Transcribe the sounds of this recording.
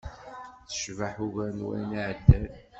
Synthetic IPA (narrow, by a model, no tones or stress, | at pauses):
θə̥ʃvaħuɣænwæ̰naʕd̪ːæl